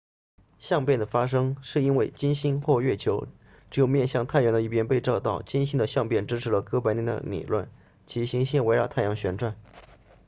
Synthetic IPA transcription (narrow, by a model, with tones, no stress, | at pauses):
ɕjɑ˥˧ŋpjɛ˥˩nd̪ə˩fa˥ʂɤ˥ŋʂɻ̩˥˩i˥nwe˥˩ɪt͡ɕi˥nɕi˥nxwɔ˥˩ɥɛ˥˩t͡ɕʰjo˧˥ʊ | ʈ͡ʂɻ̩˥˩jo˧˩ʊmjɛ˥˧nɕjɑ˥˧ŋt̪ʰa˥˩ɪjɑ˧˥ŋd̪ə˧i˥˩pjɛ˥npe˥˧ɪʈ͡ʂɑ˥˧ʊt̪ɑ˥˩ʊt͡ɕi˥nɕi˥nd̪ə˨ɕjɑ˥˧ŋpjɛ˥˩nʈ͡ʂɻ̩˥ʈ͡ʂʰɻ̩˧˥lə˧kɤ˥pa˧˥ɪni˧˥˩nd̪ə̰˧nḭ˨˩lwə̰˥˩n | t͡ɕʰi˧˥ɕi˧˥ŋɕi˥nwe˧˥ɪɻɑ˧ʊt̪ʰa˥˩jɑ˧˥ŋɕɥɛ˧˥nʈ͡ʂwa˥˩n